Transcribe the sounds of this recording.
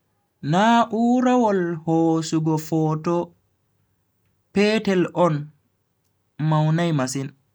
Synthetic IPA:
naʔuɾawɔlhoːsuɡɔfɔːtɔ | pɛːtɛlʔɔn | mawnajmasin

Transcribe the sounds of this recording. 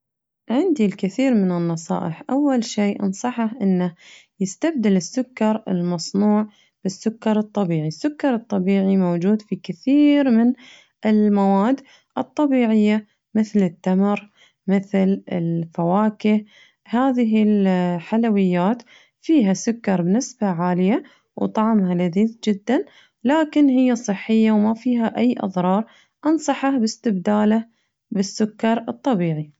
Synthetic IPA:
ʕɪnd̪ilkɪθiːɾmɪnɪnːɑsˤɑ̰ːʔɪħʔawːalʃiːʔɑ̰nsˤɑħɑʔɪnːajɪst̪ab̚d̪ɪlɪsːʊkːɑɾˤɪ̰lmɑsˤnuːʕ | b̥ɪsːʊkːɑɾˤɨt̪ˤːɑbiːʕisːʊkːɑɾˤɨt̪ˤːɑbiːʕimowd͡ʒuːd̪fikɪθiːɾmɪn | ʔɪlmawaːd̪ː | ʔɨt̪ˤːɑbiːʕɪjːa | mɪθlɪt̪ːamɾ | mɪθlɪlfawaːkɪh | haːðɪɦɪlħalawɪjːaːt̪ | fiːɦasʊkːɑɾˤbnɪsbaʕaːlɪja | wt̪ˤɑʕmhalaðiːθd͡ʒɪd̪ːan | laːkɪnhɪjːasˤɨħːɪjːawmafiːɦaʔajːʔɑ̰ðˤɾˤɑːɾˤ | ʔɑnsˤɑħɑbɪst̪ɪbd̪aːla | bɪsːʊkːɑɾˤɨt̪ˤːɑbiːʕi

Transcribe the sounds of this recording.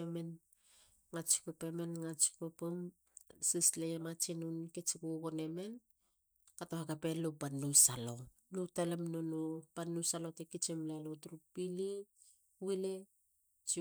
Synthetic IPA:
emen | ŋat͡ʃi̥kopemenŋat͡ʃi̥kopom | sislejemat͡ʃinunket͡ʃikukone̞me̞n | katohakapelopanːujsalo | nutalemnonopanujsalo̞tekit͡ʃemlalotɾupili | wile | t͡ʃi

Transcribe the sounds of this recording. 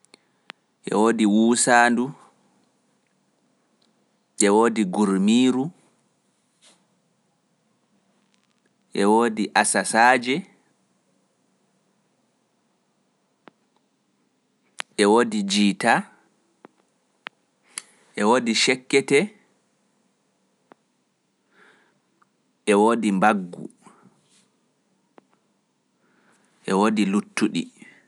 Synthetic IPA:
ʔɛ̰woːdiwuːsaːndu | ʔɛwoːdiɡuɾmiːɾu | ʔɛwoːdiʔasasaːd͡ʒɛ | ʔɛwodid͡ʒiːta | ʔɛwoːdiʃɛkːɛtɛ | ʔɛwoːdimbaɡːṵ | ʔɛwodilutːuɗḭ

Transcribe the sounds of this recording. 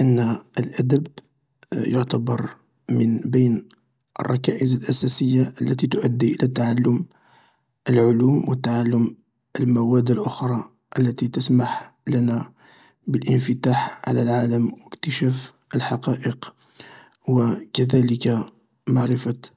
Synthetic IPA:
ʔənːəlʔæd̪əb | jʊʕt̪abɑɾˤ | mənbəjn | ʔə̰rˤːɑkæʔəzəlʔæsæsəjːaʔəlːæt̪it̪ʊʔæd̪ːiʔəlæt̪aʕalːʊm | ʔəlʕʊlumwət̪ːaʕalːʊm | ʔəlmæwæd̪ːəlʔʊxɾˤɑ | ʔəlːæt̪it̪əsmaħlænæ | bəlʔənfət̪aħʕa̰lælʕaləmwəkt̪əʃæfəlħɑqɑʔəq | wəkæd̪æləka | maʕɾəfa

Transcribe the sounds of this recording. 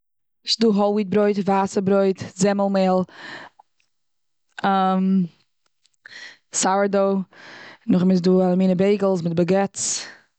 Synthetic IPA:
ʃduːɦɔlˠwiːt̚bɾoɪtvaːsəbɾoɪtzɛməlˠmeːlˠ | am | sawədoː | nʊχmɪs̬duːalˠəmiːnəbeɪɡl̩ˠs̬mɪt̚bəɡɛt͡s

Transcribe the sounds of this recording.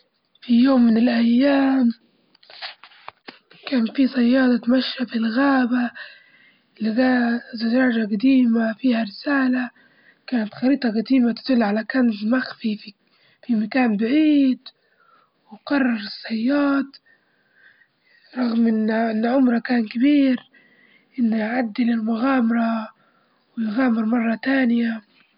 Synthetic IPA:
fijoːmːɪnɪlʔajːaːm | kaːnfisˤɑjːɑːd̪ˤɑt̪maʃːafɪlɣaːba | lɪɡazaʒaːd͡ʒaɡad̪iːmafiːhaɾɪsaːla | kaːnat̪xɑɾiːt̪ˤɑɡad̪iːmat̪ɪ̥d̪ʊlːʕalakaːnzmaxfifi | fimakaːnbaʕiːd̪ | wɪqɑrˤːɑɾɪsˤːɑjːɑːt̪ | ɾˤɑɣmʔɪnʔɪnːʕʊmɾˤɑkaːnkɪbiːɾ | ʔɪnːjʕad̪ːɪlɪlmʊɣaːmɑɾˤɑ | wɪjɣaːmɪɾmɑrˤːɑt̪aːnɪja

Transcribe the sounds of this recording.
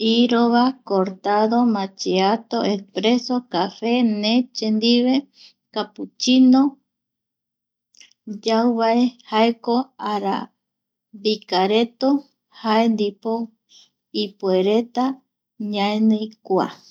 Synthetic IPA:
iɾoβakoɾt̪aðomãt͡ʃeat̪o̞espɾe̞sokafe̞nẽt͡ʃend̪iβe | kaput͡ʃinõ | d͡ʒawβaehaekoaɾa̰ | bikaɾet̪o | haend̪ipo | ipeɾe̞t̪a | ɲãẽnɨjkʷa̰

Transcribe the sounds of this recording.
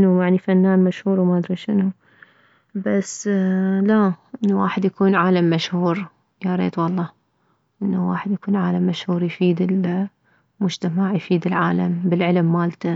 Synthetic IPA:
nːujaʕnifanːaːnmaʃhuːɾwmad̪ɾˤiʃɪnu | bas | laʔɪnːuwa̰ːħɪd̪jakuːnʕaːlamːaʃhuːɾ | jaɾˤḛːd̪wɑlˤːɑː | ʔɪnːuwa̰ːħɪd̪jakuːnʕaːlamːaʃhuːɾjfiːd̪ɪl | mʊd͡ʒt̪amaʕjfiːd̪ɪlʕaːlambɪlʕɪlmːaːlt̪a

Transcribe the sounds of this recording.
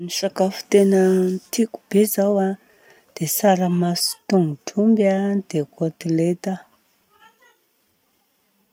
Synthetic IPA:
niʃakafu̥t̪enənt̪iku̥bezawa | d̪̥esaɾəmasi̥t̪uŋuʈ͡ʂʰumbjad̪ekot̪ilet̪a

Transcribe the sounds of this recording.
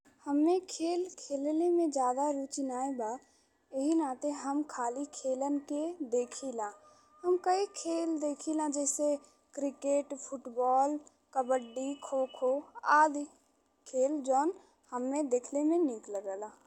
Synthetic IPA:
həmːẽkʰeːlkʰeːlnemẽd͡ʒjaːd̪aɾuːt͡ʃnaːebaː | jəɦinaːt̪ẽɦəmkʰaːlikʰeːlənked̪eːkʰilãː | həmkəikʰeːld̪eːkʰilãːd͡ʒɛːse | kɾɪkeːʈpʰʊʈbɔːl | kəbəɖikʰoːkʰoaːd̪i | kʰeːld͡ʒɔːn | həmːẽd̪eːkʰlemẽnɪkləɡəlãː

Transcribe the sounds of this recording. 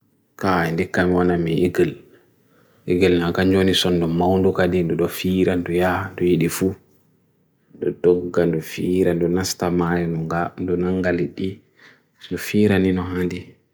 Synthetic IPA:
kaɛndikːamiwanamiʔiɡɛl | ʔiɡɛlnakaɲd͡ʒonisɔndɔmawndukadindɔɗɔfiːɾandɔjandɔjiɗifu | ɗɔ̰dɔɡːandɔfiːɾandɔnastamajɔandɔnaŋɡaliɗi | ndɔfiːɾaninɔɦandi

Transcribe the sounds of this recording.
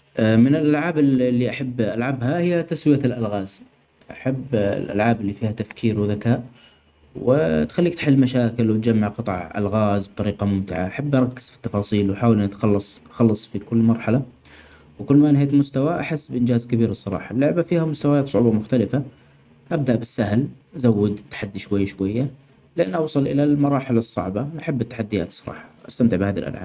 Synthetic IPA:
ʔmɪnɪlʔalʕaːbɪlːiʔaħabːʔalʕabhahɪjːat̪aswɪjalʔalɣaːz | ʔaħab̰ːlʔa̰lʕaːbɪlːifiːhat̪afkʰiːɾwðakaːʔ | wɪ̰t̪xalːiːkt̪ħɪlːmaʃaːkɪlwɪt̪d͡ʒamːaʕqɨt̪ˤʕʔa̰lɣaːzb̚t̪ˤɑɾiːqɑmʊmt̪ɪ̰ʕa̰ʔaħabːʔɑɾˤɑkːɪ̥z̥fi̥t̪ːɑfɑːsˤiːlwħaːwɪlnat̪xɑlːɑsˤʔxɑlːɑsˤfikʊlːmɑɾˤħala | wkʊlːmaʔɪnheːk̪mʊst̪awaʔaħɪsːbʔɪnd͡ʒaːzkabiːɾsˤɑɾˤɑ̰ːħɑlːʊʕbafiːhamʊst̪awajaːt̪sˤʊʕuːbamʊxt̪alɪfa | ʔab̚d̪aʔbɪsːahlʔazawːɪd̪t̪ːḁħad̪ːiʃwajːaʃwajːa | lɪʔa̰nːʔɑwsˤɨlʔɪ̰lalmɑɾˤɑːħɪlsˤːɑ̰ʕbɑnʔaħabːɪt̪ːḁħad̪ːɪja̰ːt̪sˤɑɾˤɑ̰ːħɑ̥ʔast̪amt̪ɪʕbhaːða̰lʔa̰lʕa̰ːb

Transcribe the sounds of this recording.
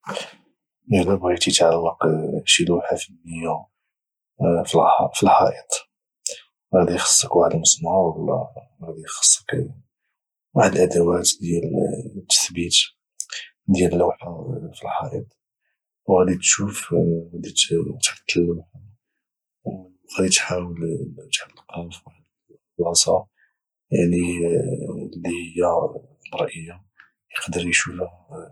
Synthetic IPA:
ʒləbɣæt̪jət̪ʕalːɑqʃilwħafəlməjːæ | filħɑ̰ʔət̪ˤ | hæd̪ijxə̥sˤːəkwaħəd̪məsˤnɑhəlɑ̰ | hæd̪ixə̥sˤːə̥k | waħəd̪əlʔad̪æwæt̪d̪jælt̪ːə̥θbit̪ | d̪jæləlːwħafilħɑʔəd̪ˤ | wɣæd̪it̪ʃufɣæd̪it̪t̪ɾt̪ːəlːh | w | ɣæd̪it̪ħawəlt̪ʕb̪əlqufw | lɑsˤɑ | d̪i | lːihəjːabɑɾˤʔəjːa | jəqd̪əɾjʃufh

